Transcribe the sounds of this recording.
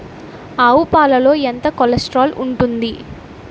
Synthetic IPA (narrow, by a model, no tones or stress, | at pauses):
ɐwupaːlɐlo̞ːent̪ɐkolɐsʈɾaːluɳʈund̪i